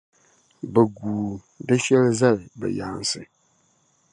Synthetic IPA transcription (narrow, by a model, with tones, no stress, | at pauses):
bə˨ɡuː˨ | dɨ˦ʃɛ˦lza˦lɨ˨bɛ̰˨ja˨n˨sɨ˨